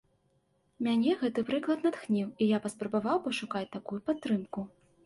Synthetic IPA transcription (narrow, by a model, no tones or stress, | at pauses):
mʲanʲɛɣɛt̪ɨpɾɨklˠɐt̪nat̪xnʲiwijapɐspɾɐbavawpɐʂukat͡sʲt̪akujupat̪ːɾɨmku